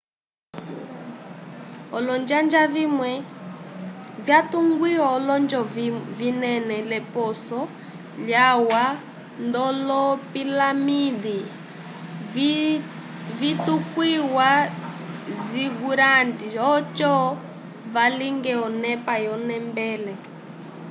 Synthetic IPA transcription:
ɔlɔnd͡ʒand͡ʒavimwɛ | vjatuŋɡwiɔːlɔnd͡ʒɔvinɛnɛlɛpɔsɔ | ljawa | ndɔlɔpilamidi | vitukwiwa | ziɡuɾandiɔt͡ʃɔ | valiŋɡɛɔnɛpajɔnɛmbɛːlɛ

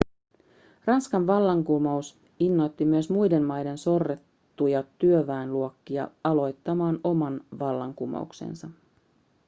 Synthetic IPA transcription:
rɑnskɑnʋɑlːɑŋkumɑus | inːo̞jt̪ːimyøsmujde̞nmɑjde̞nso̞rːet̪ːujɑt̪yøʋæinluokːiɑ̰ɑlo̞jt̪ːɑmɑːno̞mɑnʋɑlːɑŋkumɑ̰ṵksḛnsɑ

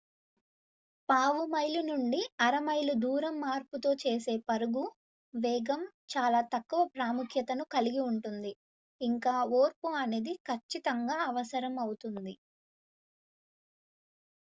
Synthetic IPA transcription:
paːʋumɐjlunuɳɖiɐɾɐmɐjlud̪uːɾɐmːaːɾput̪o̞ːt͡ʃe̞ːse̞ːpɐɾuɡu | ʋɛːɡɐm | t͡ʃaːlaːt̪ɐkːuʋɐpɾaːmukʰjɐt̪ɐnukɐliɡiuɳʈund̪i | iŋkaːo̞ːɾpuɐne̞ːd̪ikʰɐt͡ʃːit̪ɐŋɡaːɐʋɐsɐɾɐmɐwut̪und̪i

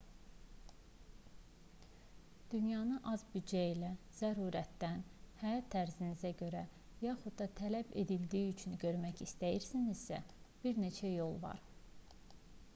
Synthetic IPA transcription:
d̪̥ynjɑnɯʔɑzbyd̪d͡ʒæilæ | z̥æɾuːɾæt̪d̪ænhæjɑt̪ʰːæɾzinizæɟø̞ɾæ | jɑːχud̪̥d̪ɑt̪ʰælæbe̞̰d̪ild̪iːyt͡ʃʰynɟø̞ɾmæcist̪æjiɾsiniz̥sæ̰b̥iɾne̞t͡ʃʰæjo̞lˠvɑ̰ɾ

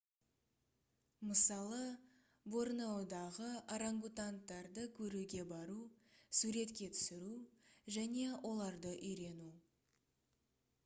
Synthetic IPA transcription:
məsɑlˠə | bo̞ɾnɑwd̪ɑʁəaɾaŋɡut̪ant̪ːɑɾd̪əkʲʰɵɾuɡʲe̞bɑɾusuɾe̞t̪kʲe̞t̪ʰʏ̥sɪɾuʒæne̞wʔo̞lˠɑɾd̪əʔʏjɾe̞nu

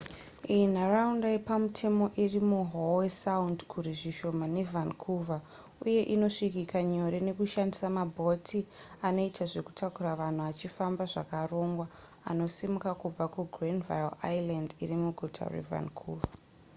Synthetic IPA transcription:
ijn̤araundajepamutʰe̞mo̞ʔirimuɦowesaundkʰuɾiʐiʃo̞mane̞vankʰuva | uje̞ʔino̞ʂikikaɲo̞ɾe̞ne̞kuʃandisamabʱo̞tʰiano̞itʰaʐe̞ku̥tʰakuɾaʋan̤uat͡ʃifambaʐakaro̞ŋɡwa | a̰no̞simukakub͡vakuɡrinva̰jla̰jlandḭrimuɡʱutʰa̰rḛva̰nkʰuːva

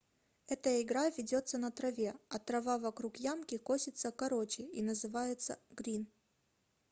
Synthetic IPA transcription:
ɛt̪əjəɪɡɾavʲɪdʲo̞t̪sːənɐt̪ɾɐvʲe̞ɐt̪ɾɐvavɐkɾukjamkʲɪkosʲɪt̪səkɐɾot͡ɕɪjinəzɨvajɪt̪sə̰ɡɾʲin

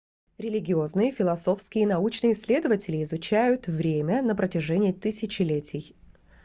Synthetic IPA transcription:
ɾʲɪlʲɪɡʲɪo̞znɨjəfʲɪlˠɐso̞fskʲɪjənɐut͡ɕnɨjəɪsʲlʲe̞d̪əvətʲɪlʲɪːzʊt͡ɕæjʊt̪vɾʲemʲənəpɾətʲɪʐɛnʲɪət̪ɨsʲɪt͡ɕɪlʲetʲʰɪj

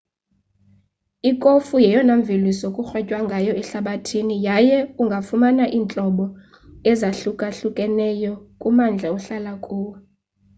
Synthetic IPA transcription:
ikʼofujɛjɔnaɱvʱilisokʼuxwɛcʼwaŋɡʱajɔɛɬaɓatʰinijajɛuŋɡʱafumanaʔiːnt͡ɬʼɔɓɔ | ɛzaɬukʼaɬukʼɛnɛjɔkʼumand͡ɮʱɛuɬalakʼuːwɛ

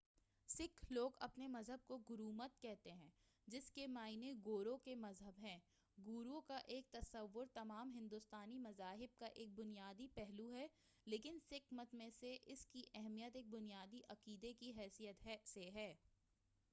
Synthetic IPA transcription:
sɪkʰloːɡɐ̰pnemɐzɦəb̚koɡʊɾuːmət̪kɛɦt̪eɦɛ̃ː | d͡ʒɪskemaːɪneɡoːɾõkemɐzɦəbɦɛ̃ː | ɡuːɾõkaʔeːk̚t̪ɐsəʋːʊɾt̪ɐmaːmɦɪ̃nd̪ʊst̪aːnimɐzaːɦɪb̚kaʔeːk̚bʊnijaːd̪ipɛɦluɦɛ | leːkɪnsɪkmət̪mẽseʔɪskiʔɛɦmijət̪eːk̚bʊnijaːd̪iʔɐqiːd̪ekiɦɛːsijət̪ɦɛseɦɛː

